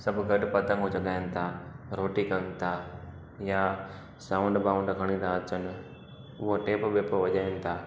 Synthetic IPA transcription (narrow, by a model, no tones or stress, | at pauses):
sɐbʱɡɐɗpɐt̪ə̃ŋɡod͡ʒɐɠaːjənɪ̆t̪ʰaɾoːʈikɐ̃ŋɡt̪ʰaː | ja | sãːʊ̃ɳɖbaːʊ̃ɳɖɡʱɐɽ̃ĩnd̪ʱãɐt͡ʃən | ʊɦoʈeːpbeːpəʋɐʄaːjənɪ̆t̪ʰaː